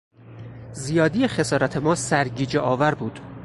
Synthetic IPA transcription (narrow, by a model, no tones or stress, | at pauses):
zijɒːd̪ijexe̞sɒːɾæt̪ʰe̞mɒːsæɾɟiːd͡ʒeʔɒːvæɾbuːd̪̥